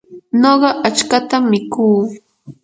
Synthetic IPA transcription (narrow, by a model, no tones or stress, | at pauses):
noɢɑʔat͡ʃkat̪amːɪkuː